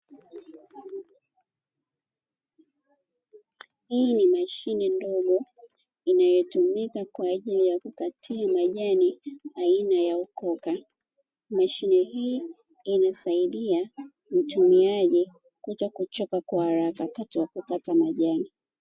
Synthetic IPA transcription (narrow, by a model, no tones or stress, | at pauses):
hiːnimaʃinɛndɔɠɔ | inajɔtumikakwaːʄilijakukatʰiamaʄaniainajaukɔka | maʃinɛhiː | nasaiɗia | m̩tumiaʄi | kutɔkut͡ʃɔkakwahaɾakakatiwakukatamaʄani